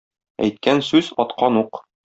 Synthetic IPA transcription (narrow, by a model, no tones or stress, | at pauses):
æ̰jt̪̚kænsʉzɒt̪qɑnuq